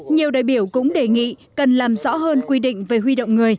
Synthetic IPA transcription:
ɲi˨˩əwɗa̰ː˧˨jɓi˧˩əwkʊ̰˧˥ŋ͡mɗe˨˩ŋḭ˧˨kə˨˩nlaː˨˩mzɔ̰˧˥ɦəː˧nkwi˧ɗḭ̈˧˨ŋ̟ve˨˩hɦwi˧ɗə̰˧˨wŋ͡mŋɨ˨˩əj

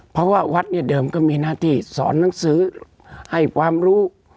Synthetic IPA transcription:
pʰɔ˦˧˥waː˧˩wa˦˥t̪̚ni˧˩ɐdɤː˨˧mkɔː˥˩miː˧naː˧˩t̪ʰiː˧˩sɔ̰ː˩˦nːa˨˩˦ŋsɯː˨˦ | ha˥˩jkʰwaː˧mɾuː˦˥

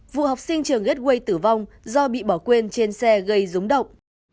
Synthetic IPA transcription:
vṵ˧˨hɔ˨˩wk͡p̚sï˧ŋ̟t͡ɕɨ˨˩əŋɣe˦˥t̚ɣwə˧jt̪ɨ˧˩va˧wŋ͡m | zɔ˧ɓḭ˧˨ɓɔ˧˩kwe˧nt͡ɕe˧nsɛ˧ɣə˧jzu˨˦ŋ͡mɗə̰˧˨wŋ͡mʔ

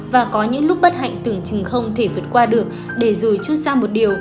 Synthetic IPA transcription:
vaː˨˩kɔ˨˦ɲɨ̰˧˥ŋlʊ˦˥k͡p̚ɓə˦˥t̚ha̰˧˨jŋ̟t̪ɨ˨˧˩əŋt͡ɕɨ˨˩ŋxə˧wŋ͡mt̪ʰe˧˩vəː˨˩ət̚kwaː˧ɗɨ˨˩ək̚ | ɗe˧˩zo˨˩jt͡ɕu˦˥t̚saː˧mo˨˩t̚ɗi˨˩əw

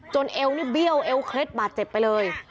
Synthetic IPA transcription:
t͡ɕo˧nʔe˧wniː˦˥˩bi˥˩əwʔe˧wkʰle˦˥t̪̚baː˨˩t̪̚t͡ɕe˨˩pːa˧jlɤː˧j

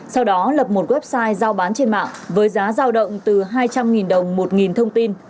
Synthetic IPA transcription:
sa˧wɗɔ˨˦lə˨˩p̚mo˨˩t̚ɣwɛ˦˥p̚saː˧jzaː˧wɓaː˨˦nt͡ɕe˧nma̰ː˧˨ŋvəː˨˦jzaː˨˦zaː˧wɗə̰˧˨wŋ͡mt̪ɨ˨˩ɦaː˧jt͡ɕa˧mŋi˨˩nɗə˨˩wŋ͡mmo˨˩t̚ŋi˨˩nt̪ʰə˧wŋ͡mt̪i˧n

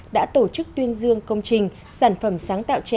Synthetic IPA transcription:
ɗa̰ː˧˥t̪o˧˩t͡ɕɨ˦˥k̚t̪wi˧ənzɨ˧əŋkə˧wŋ͡mt͡ɕï˨˩ŋ̟ | saː˧˩nfə˧˩msaː˨˦ŋt̪a̰ː˧˨wt͡ɕ

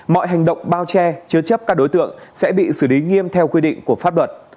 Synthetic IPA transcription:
mɔ̰˧˨jɦa˨˩jŋɗə̰˧˨wŋ͡mɓaː˧wt͡ɕɛ˧t͡ɕɨ˧t͡ɕə˦˥p̚kaː˦˥k̚ɗo˨˦jt̪ɨ̰˧˨əŋsɛ̰˧˥ɓḭ˧˨sɨ˧˩li˨˦ŋi˧əmt̪ʰɛ˧wkwi˧ɗḭ̈˧˨ŋku˧˩əfa˦˥p̚lwə˨˩t̚

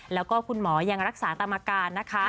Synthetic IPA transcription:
lɛː˦˥wkɔː˥˩kʰu˧nmɔː˩˦ja˧ŋɾa˦˥k̚saː˩˦t̪ʰa˧mːaː˧kaː˧nːa˦˥kʰa˦˥

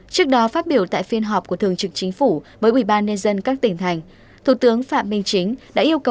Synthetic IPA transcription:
t͡ɕɨ˦˥k̚ɗɔ˨˦faː˦˥t̚ɓi˧˩əwt̪a̰ː˧˨jfi˧ənɦɔ˨˩p̚ku˧˩ət̪ɨ˨˩əŋt͡ɕɨ˨˩k̚t͡ɕï˨˦ŋ̟fu˧˩vəː˨˦jʔwi˧˩ɓaː˧nɲə˧nzə˧nkaː˦˥k̚t̪ï˧˩ŋt̪ʰa˨˩jŋ̟ | t̪ʰu˧˩t̪ɨ˨˦əŋfa̰ː˧˨mːï˧ŋ̟t͡ɕï˨˦ŋ̟ɗa̰ː˧˥ʔi˧əwkə˨˩

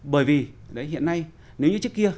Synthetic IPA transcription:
ɓəː˧˩jvi˨˩ɗə˨˦jɦḭ˧˨ənːa˧j | ne˨˦wɲɨ˧t͡ɕɨ˦˥kːi˧ə

